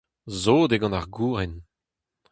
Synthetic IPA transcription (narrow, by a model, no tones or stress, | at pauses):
zoːd̪eɡɑ̃naʁɡuːʁɛn